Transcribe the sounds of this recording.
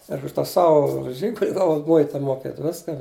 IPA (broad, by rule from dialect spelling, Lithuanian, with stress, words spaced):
ɪr ʊʃ ˈtɑː ˈsɐʊ ˈʒʲiːɡʊlʲ ˈɡɑːʋɐʊ ˈmʊɪtɐ moːˈkʲeːt ˈʋʲɪskɐ